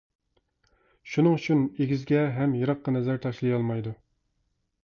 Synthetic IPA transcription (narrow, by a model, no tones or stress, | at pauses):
ʃunɨŋyt͡ʃʰineɡʲizɡʲɛɦɛmjɑɾɑqːɑnɛzæɾt̪ʰɑʃlˠɨjɑlˠmɑjd̪u